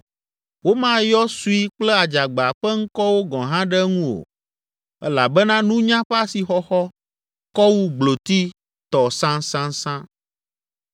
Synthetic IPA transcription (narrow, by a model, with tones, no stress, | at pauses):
wo˦mã˦jɔ˦su˦i˦k͡plɛ˦a˨d͡ʒa˨ɡ͡ba˨ɸɛ˦ŋ̩˦kɔ˦wo˦ɡɔ̃˨ɦã˦ɖɛ˦ŋũ˦wo̰˨ | ɛ̰˦la˨bɛ˦nã˦nũ˦ɲã˦ɸɛ˦a˦si˨xɔ˦xɔ˦ | kɔ˦wu˦ɡ͡blo˨t̪i˦ | t̪ɔ˨sã˦sã˦sã˦